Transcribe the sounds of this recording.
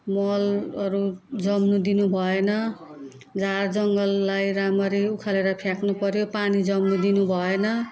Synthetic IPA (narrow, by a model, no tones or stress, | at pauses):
mʌlʌɾud͡zʌmnud̪inubʱʌenʌ | d͡zard͡zʌŋɡʌlːajɾamʌɾiukʰaleɾʌpʰjaknupʌɾjopanid͡zʌmnud̪inubʱʌenʌ